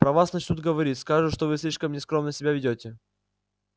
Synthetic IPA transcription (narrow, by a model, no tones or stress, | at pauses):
pɾɐvasnɐt͡ɕnut̪ɡəvɐɾʲit̪ʲskaʐɨʂt̪ovɨsʲlʲiʂkəmnʲɪskɾomnəsʲɪbʲavʲɪdʲotʲɪ